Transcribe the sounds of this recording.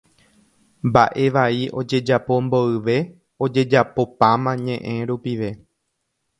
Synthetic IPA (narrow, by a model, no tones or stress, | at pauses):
mbaʔe̞ʋaiʔo̞d͡ʒe̞d͡ʒapo̞mbo̞ɨʋe̞ | o̞d͡ʒe̞d͡ʒapo̞pãmãɲẽ̞ʔẽ̞ɾupiʋe̞